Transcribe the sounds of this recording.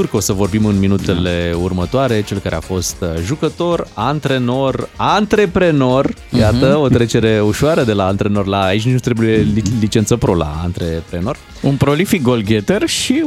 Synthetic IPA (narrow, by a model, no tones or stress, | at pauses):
urko̞səvo̞rbimɨnminut̪e̞le̞urmət̪oaɾe̞t͡ʃe̞lkaɾe̞a̰fo̞st̪ʒukət̪o̞rant̪ɾe̞no̞rant̪ɾe̞pɾe̞no̞r | jat̪əo̞t̪ɾe̞t͡ʃe̞ɾe̞uʃoaɾəd̪e̞laːnt̪ɾe̞no̞rlaːit͡ʃʲnut̪ɾe̞buje̞lilit͡ʃe̞nt̪səpɾo̞la̰ːnt̪ɾepɾeno̞r | unpɾo̞lifik̚ɡolɡʲet̪erʃi